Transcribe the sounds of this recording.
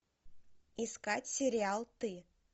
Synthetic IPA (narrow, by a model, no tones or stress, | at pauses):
iskatʲsʲɪɾʲɪalˠt̪ɨ